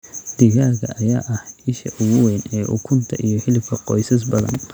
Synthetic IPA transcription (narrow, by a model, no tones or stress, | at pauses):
d̪̥iɣaːɣɐʔɐjaːʔɐhɪʃɐ̰ʔʊɣʊwɛːnɛːʔʊ̰kʰʊnt̪ʰɐʔijɞħɪlɪbkʰɐqɔjsɐs̬bɐðɐ̰n